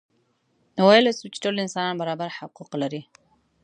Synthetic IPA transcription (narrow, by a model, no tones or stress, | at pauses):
walasut͡ʃt̪olɪnsɑnanbaɾɑːbaɾħaquqlaɾi